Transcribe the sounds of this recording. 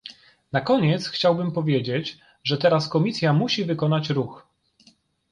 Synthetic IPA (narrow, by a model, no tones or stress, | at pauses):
nakɔɲɛt̪sxt͡ɕawbɘmpɔvʲjed͡ʑed͡ʑ | ʐɛt̪ɛɾaskɔmʲisʲjamuɕivɘkɔn̪at͡ɕɾux